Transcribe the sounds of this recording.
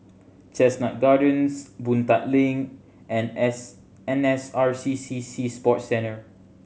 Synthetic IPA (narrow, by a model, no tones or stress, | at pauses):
t͡ʃɛsnat̚ɡadə̃nsbũnt̪at̚lĩŋ | ʔɛ̃n | ɛ̃nɛsaɹsisisispɔt̚sɛ̃nə